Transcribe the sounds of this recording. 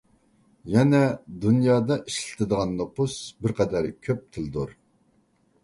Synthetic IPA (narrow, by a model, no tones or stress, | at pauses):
jɛnɛd̪unjɑːd̪ɑʔiʃlɪ̥t̪ʰɪd̪əʁɑnːopusbɪɾqʰɛd̪æɾkʲʰøp̚t̪ʰɪld̪uɾ